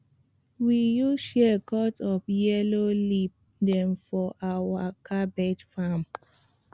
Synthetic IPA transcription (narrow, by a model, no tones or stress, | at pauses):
wijuʃɛkɔtɔpjɛlolip̚ | dɛ̃mfɔʔawakʰabɛtfam